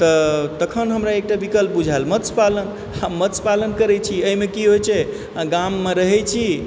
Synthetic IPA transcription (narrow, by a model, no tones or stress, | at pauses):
t̪ət̪əkʰənɦəmɾaek̚ʈabikəlp̚bud͡ʒʱaelmət̪spalən | amət̪spalənkəɾɛt͡ʃʰiəimekiɦojt͡ʃʰɛ | ɡamːeɾəɦɛt͡ʃʰi